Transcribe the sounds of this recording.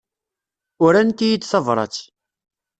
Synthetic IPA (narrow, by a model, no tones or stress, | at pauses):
ʊɾænt̪ijid̪θɑvɾˤɑ̰t͡sː